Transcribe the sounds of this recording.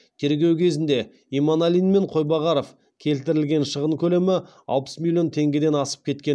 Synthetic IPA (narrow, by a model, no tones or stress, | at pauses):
t̪ʰe̞ɾɡʲe̞wkʲʰe̞zɪnd̪e̞ | imonalʲijnme̞ɴqʰo̞jbɑʁɑɾo̞f | kʲʰe̞lt̪ɪɾɪlɡʲe̞nʃəʁəɴkʲʰɵle̞mɪ | ɑ̰lˠpə̥smʲilʲːjo̞nt̪ʰe̞ŋɡʲed̪e̞nɑsə̥p̚kʲʰe̞t̪kʲe